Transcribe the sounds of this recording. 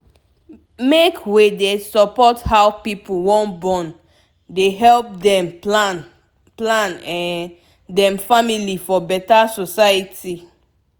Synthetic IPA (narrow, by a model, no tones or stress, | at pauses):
mekʰwedesɔpɔthawpipuwɔ̃nbɔ̃n | deɦɛlp̚dɛ̃m | plãnɛ̃ | dɛ̃mfamilifɔbɛtasɔsajiti